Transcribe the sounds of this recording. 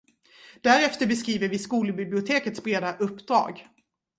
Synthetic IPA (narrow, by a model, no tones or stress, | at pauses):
d̪̥æɾɛft̪əɾbɛskɾiːvəɾvɪskuːləbɪblɪʊt̪ʰeːkət̪sbɾeːd̪aʔɵpːd̪ɾɑ̰ːɡ